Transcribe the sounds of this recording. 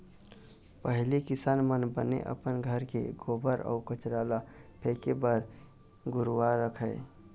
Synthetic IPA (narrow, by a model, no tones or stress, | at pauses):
pəɦlikɪsaːnmənbənḛʔə̰pənɡʱəɾkḛɡobəɾɔ̰ːkət͡ʃɾaːlapʰekebəɾ | ɡʊɾwaɾəkʰəɪ